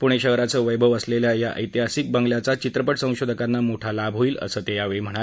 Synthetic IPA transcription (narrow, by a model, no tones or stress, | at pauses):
puɽ̃eɕəɦɾat͡səːʋəjbʱəʋəsleljajaʔə̰jt̪iɦasik̚bəŋɡljat͡sat͡ɕit̪ɾəpəʈsə̃w̃ɕod̪ʱəkanːamoʈʰalabʱɦoiːlə̰səːt̪ejaʋeɭim̤əɽ̃a